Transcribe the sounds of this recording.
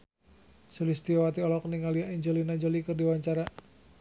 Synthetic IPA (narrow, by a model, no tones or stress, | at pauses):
sulist̪iawat̪iɔlɔkniŋaliaʔiɲd͡ʒəlinaiɲd͡ʒɔlikɨrdiwaɲt͡ʃaɾa